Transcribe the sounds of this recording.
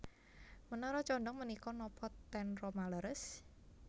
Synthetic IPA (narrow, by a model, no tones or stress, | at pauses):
mənɔɾɔt͡ʃɔndɔŋmənikɔnɔpʰɔt̪ːɛnrɔmaləɾəs